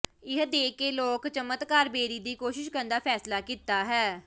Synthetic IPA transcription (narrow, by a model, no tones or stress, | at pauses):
ɪɦd̪eːkeːloːkt͡ʃəmət̪kaːɾbeːɾiːd̪iːkoːʃɪʃkəɾnd̪aːpʰɛːslaːkiːt̪aːɦɛː